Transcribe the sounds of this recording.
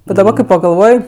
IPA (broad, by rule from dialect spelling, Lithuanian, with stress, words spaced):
bʲɛt dɐˈbɐ kɐɪ pɐɡɐlˠˈʋoːj